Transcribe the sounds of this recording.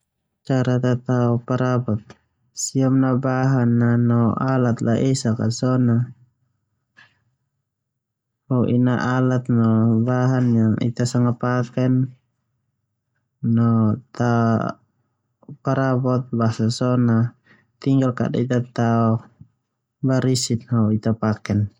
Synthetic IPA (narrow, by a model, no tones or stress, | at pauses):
t͡ʃaɾat̪at̪aɔpaɾabɔt̪̚ | siamnabaɦanːanɔʔalat̪̚laʔisaka̰sɔna | hɔʔḭna̰ʔalat̪̚nɔbaɦanjaŋḭt̪asaŋapakɛn | ɔt̪a | paɾabɔt̪̚basasɔna | t̪iŋɡalka̰da̰it̪at̪aɔ | baɾisit̪hauit̪apakɛn